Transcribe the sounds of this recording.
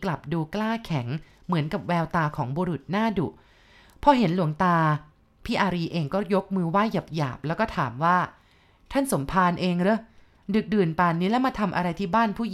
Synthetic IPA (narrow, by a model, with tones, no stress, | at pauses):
kla˨˩p̚duː˧klaː˥˩kʰɛ˩˦ŋ | mɯ˩˦nka˨˩p̚wɛː˧wt̪aː˧kʰɔː˩˦ŋbuː˧ɾu˨˩t̪̚naː˥˩du˨˩ | pʰɔ˦˥ɦe˩˦nlu˩˦əŋt̪aː˧ | pʰiː˥˩ʔaː˧ɾiː˧ʔeː˧ŋkɔː˥˩jo˦˥k̚mɯː˧waː˥˩ja˨˩p̚ja̰ː˨˩p̚lɛː˦˥kɔː˥˩t̪ʰaː˩˦mwaː˥˩ | t̪ʰa˥˩nso˩˦mpʰaː˧nʔeː˧ŋɾɯ˦˥ | dɯ˨˩k̚dɯː˨˩npaː˨˩nːiː˦˥lɛ˦˥maː˧t̪ʰa˧mʔa̰˧ɾa˧jt̪ʰiː˥˩baː˥˩npʰuː˥˩˨